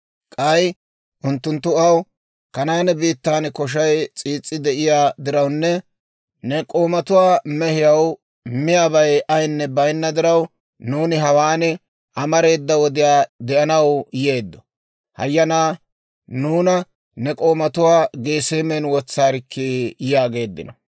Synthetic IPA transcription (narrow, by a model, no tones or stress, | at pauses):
kʼɐj | ʔʊnt̪ːʊnt̪ːʊɐw | kɐnaːnɛbiːt̪ːaːnkɔʃ̬ɐjt͡sʼiːt͡sʼːɪd̪ɛʔɪjaːd̪ɪɾɐwnːɛ | nɛkʼo̞ːmɐt̪ʊwaːmɛhɪjɐw | mɪjaːbɐjɐjnːɛbɐjnːɐd̪ɪɾɐw | nuːnɪɦɐwaːnɛ | ʔɐmɐɾe̞ːd̪ːɐwɔd̪ɪjaːd̪ɛʔɐnɐwje̞ːd̪ːɔ | hɐ̰jːɐnaː | nuːnɐ | nɛkʼo̞ːmɐt̪ʊwaːɡe̞ːseːmɛnwɔt͡sːaːɾɪkʰːejjaːɡe̞ːd̪ːɪ̰nɔ